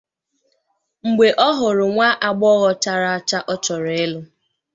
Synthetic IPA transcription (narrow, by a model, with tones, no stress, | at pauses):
ŋ͡m̩˨ɡ͡be˨ʔɔ˦ɦʊ˨ɾʊ˨ŋʷa˦ʔa˨ɡ͡bɔ˦ɣɔ˦ta˦ɾa˦t͡ʃa˦ʔɔ˦t͡ʃɔ˨ɾe˨e˦lʊ˦